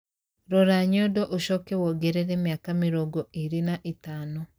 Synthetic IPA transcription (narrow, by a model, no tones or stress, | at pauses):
ɾɔɾaɲɔdɔʔoʃɔkɛwɔɡɛɾɛɾɛmjakamiɾɔːɡɔeɾenaʔetaːno